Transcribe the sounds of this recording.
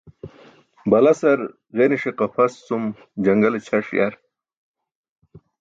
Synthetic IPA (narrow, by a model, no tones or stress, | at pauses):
bɐlɐsɐɾ | ɣeniʂiqɐfɐst͡sum | d͡ʑɐŋɡɐlet͡ɕʰɐʂja̰ɾ